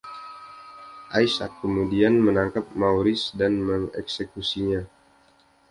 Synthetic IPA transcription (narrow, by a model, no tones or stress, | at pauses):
ʔajsakːəmudianmənaŋkap̚mauɾɪsdanməŋɛ̰ksekusiɲa